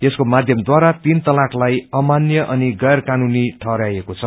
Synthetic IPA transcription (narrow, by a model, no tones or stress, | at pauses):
eskomad̪ʱjʌmd̪waɾat̪int̪ʌlakʰlajʌmanjʌʔʌniɡʌjrkanuniʈʰʌɾajekot͡sʰʌ